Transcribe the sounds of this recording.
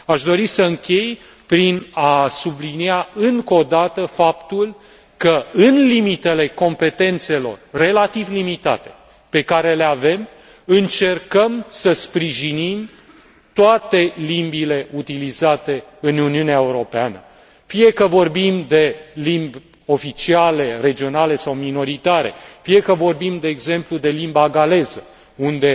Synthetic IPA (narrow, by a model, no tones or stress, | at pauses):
aʃd̪o̞ɾisəɨŋkʲe̞j | pɾinasubliniaɨŋko̞d̪at̪əfapt̪ul | kəɨnlimit̪e̞le̞ko̞mpe̞t̪e̞nt̪se̞lo̞̰rːe̞lat̪ivlimit̪a̰t̪e̞ | pe̞kaɾe̞le̞ave̞m | ɨnt͡ʃe̞rkəmsəspɾiʒinim | t̪oat̪e̞limbile̞ut̪ilizat̪e̞ɨnuniuneaeuɾo̞peanə̰ | fie̞kəvo̞rbimd̪e̞limbʲ | o̞fit͡ʃiale̞re̞d͡ʒio̞nale̞sawmino̞ɾit̪aɾe̞̰fie̞kəvo̞rbimd̪e̞ːɡze̞mplud̪e̞limbaɡale̞zə | und̪e̞